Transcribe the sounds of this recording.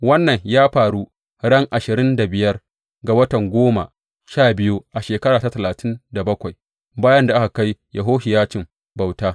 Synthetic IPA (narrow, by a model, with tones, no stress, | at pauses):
wɐ˦nːɐ˨ɲjaː˦ɸaː˨ɽu˦ | ɽɐ˦ŋʔa˨ʃɪ˨ɾɪ˦nda˨bɪ˨jɐ˦r | ɡa˨wɐ˦tɐ˨ŋɡʷoː˦ma̰˨ | ʃaː˦˨bɪ˦ju˦ʔa˨ʃeː˨kɐ˦ɾaː˨ta˦tɐ˨laː˨tʰɪ˦nda˨bɐ˦kʷa˨j | baː˦jɐ˦nda˨ʔa˦ka˨ka˦jjʔa˨ɦoː˦hɪ˨jaː˦t͡ʃɪ˨m | ba˨wtaː˦